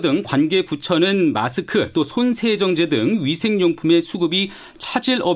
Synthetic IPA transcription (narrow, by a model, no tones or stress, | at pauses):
dɯŋkwanɡe̞put͡ɕʰʌnɯnma̰sʰɯkʰɯt͈osʰonsʰe̞d͡ʑʌŋd͡ʑe̞dɯŋɥisʰe̞ŋɲoŋpʰume̞sʰuɡɯbi | t͡ɕʰad͡ʑiɭʌ